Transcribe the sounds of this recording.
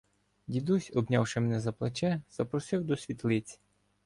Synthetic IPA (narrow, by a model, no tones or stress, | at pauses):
dʲid̪usʲɔbnʲɑwʃɪmɛnɛzɐplˠet͡ʃɛz̥ɐpɾɔsɪwd̪ɔsʲʋʲit̪lˠɪt͡sʲ